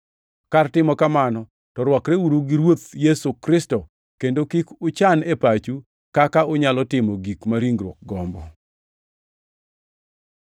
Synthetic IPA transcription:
kartɪmɔkamanɔ | tɔɾwɔkɾeuɾuɡiɾwot̪jɛsokɾɪstɔ | kendokikʊt͡ʃanepat͡ʃu | kakaʊɲalɔtɪmɔɡikmaɾiŋɡɾwɔk̚ɡɔmbɔ̰

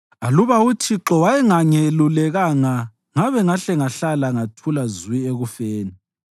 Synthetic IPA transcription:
aluβautʰiǁɔwajɛŋaŋelulɛɣaŋa | ŋaβɛŋaɬɛŋaɬalaŋatʰulazwieɣufeːni

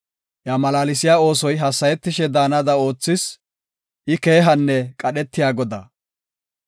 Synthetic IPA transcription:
jɐmɐlaːlɪs̬ɪjaːo̞ːsɔjɦɐsːɐjɛt̪ːɪʃɛd̪aːnɐd̪ɐo̞ːt͡sːɪs | ʔɪke̞ːɦɐnːɛkʼɐɗɛt̪ːɪjaːɡɔd̪ɐ̰

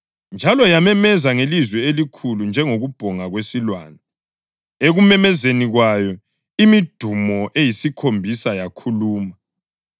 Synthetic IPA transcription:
nd͡ʒʱalɔjamɛmɛzaŋelizwɛelikʰulund͡ʒʱɛŋoɣub̥ʱɔŋaɣwesilwa̰ːnɔ | eɣumɛmɛzeniɣwajɔ | imid̥ʱumɔʔejisikʰombʱisajakʰuluːma

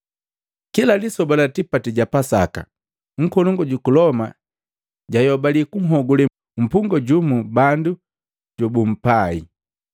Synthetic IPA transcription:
kilalisɔbɔlatipatiɟapasa̰ka̰ | ŋ̩kɔnɔŋɡɔɟukulɔma̰ | ɟajɔbalikuŋ̩ɦɔɡulɛ | m̩puŋɡɔɟumubandu | ɟɔbum̩pai

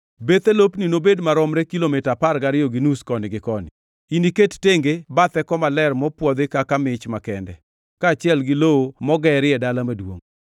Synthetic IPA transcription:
bet̪elopninobedmaɾɔmɾekilomitaparɡaɾɪoɡinuskɔnɪɡɪkɔnɪ̰ | iniketteŋɡebat̪ɛkɔmalɛrmɔpwɔd̪ekakamɪt͡ʃmakɛndɛ̰ | kaːt͡ʃɪɛlɡɪloomɔɡɛɾɪɛdalamadwo̰ŋ

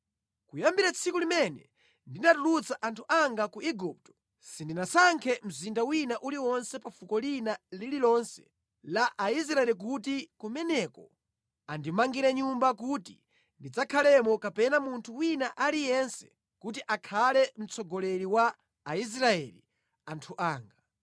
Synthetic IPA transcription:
kujambiɾat͡sʰikulimɛnɛ̰ | ndinatulut͡saʔantʰuʔaŋɡakuʔiɡup̚tɔ̥ | sindinasaŋkʰɛm̩zindawinaʔuliwɔnsɛpafukɔlinalililɔnsɛ̥ | laʔais̬ɾaɛlik̬utikumɛnɛkɔ | andimaŋɡiɾɛɲumbak̬uti | ndid͡zakʰalɛmɔkapɛnamuntʰuwinaʔalijɛnsɛ̥ | kut̬iʔakʰalɛm̩t͡sʰɔɡɔlɛɾiwaː | is̬ɾaɛli | antʰuʔaːŋɡa

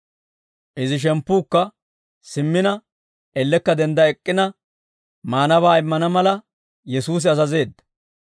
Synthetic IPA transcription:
ʔɪzɪʃ̬ɛmpːuːkːɐ | sɪmːɪnɐ | ɛlːɛkːɐd̪ɛnd̪ɐɛkʼːɪnɐ | maːnɐβaːɪmːɐnɐmɐlɐ | jɛsuːs̬ɪɐzɐze̞ːd̪ːɐ̥

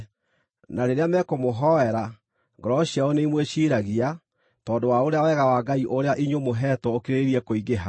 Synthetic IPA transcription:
naɾeɾeamɛkomoɦɔɛɾa | ŋɡɔɾɔɕjaɔneimweɕiːɾaɣia | tɔːndowaoɾeawɛɣawaɡaiʔoɾeaʔiɲomoɦɛtɔokeɾeɾeɾiɛkoiɡeɦa

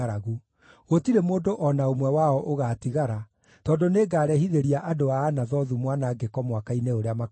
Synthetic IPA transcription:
aɾaɣu | ɣotiɾemoːndoʔɔnaomwɛwaɔʔoɣaːtiɣaɾa | tɔndoneːɡaːɾɛhiðeɾiaʔadoaːnaðɔðumwanaɡekɔmwakaineoɾeama

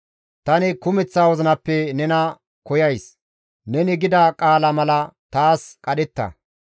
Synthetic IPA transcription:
t̪ɐnɪkʊmɛt͡sːaːwɔzɪnɐpːɛnɛnɐ | kɔjɐjs | nɛnɪɡɪd̪ɐkʼaːlɐmɐlɐt̪aːskʼɐɗɛt̪ːɐ̰

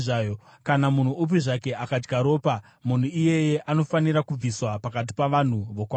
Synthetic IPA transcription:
ʐajo | kanamun̤uup̬iʐake̞ʔakad͡ʒɡʱaɾo̞ːpa | mun̤uije̞je̞ʔano̞faniɾakub͡viswapakat̬i̥paʋan̤uʋo̞kwaː

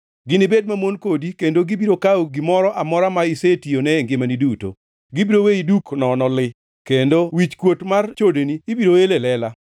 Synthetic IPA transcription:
ɡɪnɪbed̚mamonkodikendoɡibiɾokaoɡɪmɔɾɔʔamɔɾamaisetionɛŋɡɪmaniduto̰ | ɡibiɾoweiduknɔnɔlɪ | kendowit͡ʃkwotmart͡ʃodeniːbiɾoelelɛla

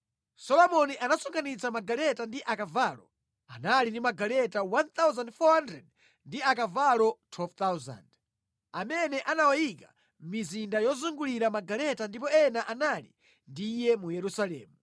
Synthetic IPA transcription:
sɔlɔmɔniʔanasɔŋkʰanit͡sʰamaɡalɛtandiʔakavaːlɔ̰ | a̰nalindimaɡalɛtawant̪awzandfɔhandɾɛd̚ | ndiakavalɔtʰwɛlvt̪awza̰nd | amɛnɛʔanawajikḁ̰ | mizindajɔzuŋɡuliɾamaɡalɛtandip̬ɔɛnaʔanalḭ | ndijɛmujɛɾusalɛ̰ːmu

